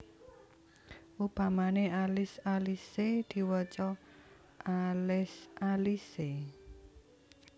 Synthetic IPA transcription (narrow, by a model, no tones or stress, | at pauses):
ʔub̥a̤manealɪsalised̪̥i̤wət͡ʃɔ | ʔalɪsalise